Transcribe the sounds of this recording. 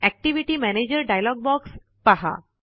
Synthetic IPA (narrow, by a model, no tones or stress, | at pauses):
ɛk̚ʈiʋiʈimɛned͡ʑəɾɖajlɔɡ̚bɔks | paɦa̰